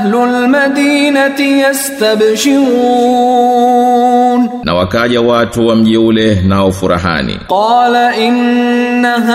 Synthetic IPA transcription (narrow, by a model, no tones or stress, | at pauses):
hlʊlmad̪iːnat̪ɪjast̪abʃɪɾu | nna̰wakaʄawatuwam̩ʄiulɛnaɔfuɾa̰ɦa̰nḭqɑːlaʔɪnːaɦ